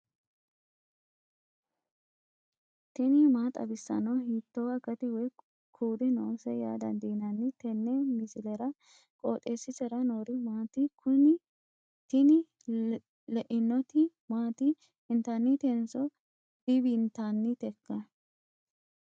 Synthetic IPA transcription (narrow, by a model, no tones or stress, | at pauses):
t̪ɛnɪmaːt̪ʼɐ̰bɪsːɐ̰nɐwhiːt̪ːɔwɐɡɐt̪ɪwɛ | kʰuːd̪ɪnoːsɛja̰ːd̪ɐ̰nd̪iːnɐnːɪt̪ɛnːɛmɪsɪlɛɾɐ | kʼoːt̪ʼeːsːɪsɛɾɐnoːɾɪmaːt̪ɪkʊnɪ | t̪ɪnɪ | lɛʔɪnːɔt̪ɪ | maːt̪ɪ | ɪnt̪ɐnːɪt̪ɛnsɔ | d̪̥ɪbint̪anːɪt̪ɛkːɐ